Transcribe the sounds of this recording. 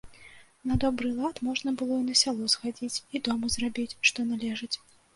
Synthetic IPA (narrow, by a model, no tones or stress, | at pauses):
nɐd̪ɔbɾɨlˠat̪mɔʐnɐbɨlˠɔinɐsʲalˠɔzxad͡zʲit͡sʲid̪ɔmuzrabʲit͡sʲʂt̪ɔnalʲɛʐɨt͡sʲ